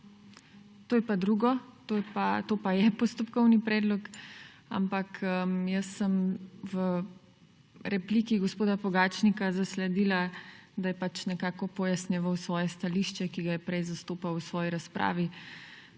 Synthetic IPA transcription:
t̪oːjɛpad̪ɾuɡɔt̪oːjɛpat̪oːpajɛpɔst̪ɔpkɔwnipɾɛːd̪lɔk | a̰mpakəjəsːəmʋə | ɾɛplikiɡospoːd̪apɔɡaːt͡ʃnikazaslɛd̪ilad̪ajɛpat͡ʃnɛkaːkɔpɔjasnjɛʋəwsʋɔːjɛst̪aliʃt͡ʃɛkiɡajɛpɾɛjzast̪oːpawsʋɔːjiɾaspɾa̰ːʋi

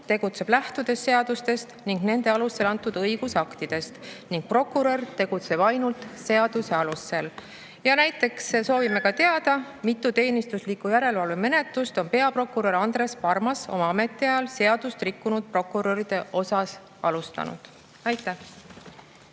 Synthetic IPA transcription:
t̪e̞ɡ̥ut̪se̞b̥læht̪ud̪̥e̞sːe̞ɑd̪̥ust̪e̞st̪niŋɡ̥ne̞nd̪̥e̞ɑluse̞lɑnt̪ːˑud̪ɤjɡ̥usɑkt̪id̪̥e̞st̪niŋɡ̥̚pro̞kːˑuɾert̪e̞ɡ̥ut̪se̞b̥ɑjnult̪se̞ɑd̪̥use̞ɑlusːe̞l | jɑnæjt̪ːˑe̞ksso̞ːvime̞kɑt̪e̞ɑd̪̥ɑ | mit̪ːˑut̪e̞ːnist̪uslikːˑujæɾe̞lvɑlveme̞ne̞t̪lust̪o̞npe̞ɑpro̞kuɾeɾɑnd̪̥ɾe̞spɑrmɑso̞̰mɑɑme̞t̪ːˑiɑjɑlse̞ɑd̪̥ust̪rikːunud̪̥̚pro̞kːˑuɾe̞ɾid̪̥e̞ʔo̞sɑs | ɑlust̪ɑ̰nṵd̪̥ | ɑjt̪ːˑæh

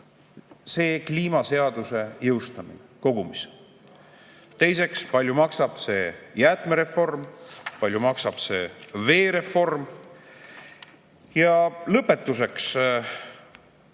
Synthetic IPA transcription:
se̞ːkliːmɑse̞ɑd̪use̞jɤwst̪ɑmḭneko̞ɡ̥umis | t̪e̞jse̞kspɑlʲjumɑksɑb̥se̞ːjæt̪ˑmeɾe̞fo̞rmpɑlʲjumɑksɑb̥se̞ːve̞ːɾe̞fo̞rm | jɑlɤpːe̞t̪ːˑus̬e̞ks

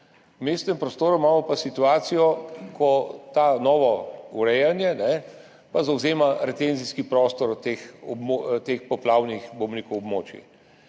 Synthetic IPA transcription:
wmeːst̪nɛmpɾɔst̪oːɾumaːmɔpasit̪uaːt̪sijɔkʰɔt̪anɔːʋɔuɾɛjanjɛnɛ | pazawzeːmaɾɛt̪enziskipɾɔːst̪ɔɾt̪exɔbmot̪eːxpɔplaːwnixbobnikɔwɔbmo̰ːt͡ʃḭ

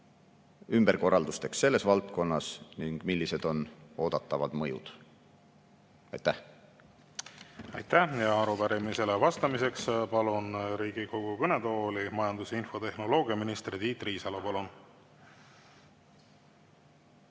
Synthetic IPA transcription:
ymb̥erko̞rːɑld̪ust̪e̞ksːe̞lːe̞svɑlt̪̚ko̞nːɑsniŋɡ̥milːise̞d̪o̞no̞ːd̪̥ɑt̪ˑːɑvɑd̪̥mɤjṵd̪̥ | ɑ̰jt̪ːæ | ɑ̰jt̪ːæhjɑɑɾupæɾimise̞levɑst̪ɑmise̞kspɑlunɾiːɡ̥iɡo̞ɡ̥ukɤnet̪oːlimɑjɑnd̪useinfo̞t̪e̞hno̞lo̞ːɡ̥iɑminist̪ɾid̪iːt̪ːriːsɑlopɑlun

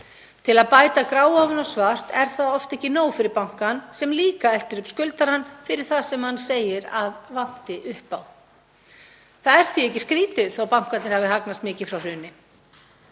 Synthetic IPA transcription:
t̪ʰɪlaðpaːjt̪akɾaːwavʏnawsvar̥t̪ɛɾ̥θaðɔft̪ɛhcːɪnoːwfɪɾɪɾpawŋ̥kansɛmliːkaɛl̥t̪ʏɾʏpskʏlt̪aɾanfɪɾɪɾ̥θaðsɛmhanːseːjɪɾaðvan̥t̪ɪʔʏhpaw | θaðɛɾ̥θviɛhcːɪskɾiːt̪ʏθawpawŋ̥kat̪nɪɾhavɪɦaknast̪mɪːcɪfɾawr̥ʏːnɪ

